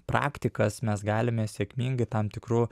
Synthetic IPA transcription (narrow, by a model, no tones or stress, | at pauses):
pɾɑ̰ːkt̪ʲɪkɐsmʲɛsɡɑːlʲɪmʲɛsʲɛːkmʲiːŋɡɐɪt̪ɐmt̪ʲɪkɾu